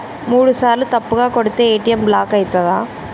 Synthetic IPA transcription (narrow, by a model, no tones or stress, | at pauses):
muːɻɯsaːlɯt̪ɐpːɯɣaːkɔɽɯt̪ːɐeːʈːɪjɐmblaːkɐɪt̪ːɐðãː